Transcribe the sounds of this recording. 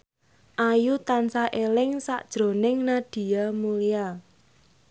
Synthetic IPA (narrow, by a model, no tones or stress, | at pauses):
ʔajut̪ansaʔelɪŋsa̰ʔd̥ʒ̥ɾo̤nɪŋnaɖ̥i̤amulia